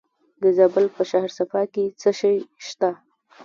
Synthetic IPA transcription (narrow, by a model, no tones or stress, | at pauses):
d̪əzabəlpəʃahɾsafɑket͡səʃəjʃt̪a